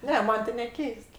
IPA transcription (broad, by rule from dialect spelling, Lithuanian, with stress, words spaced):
ˈnʲɛ ˈmɐnʲ tʲɪ nʲɛˈkʲɛɪst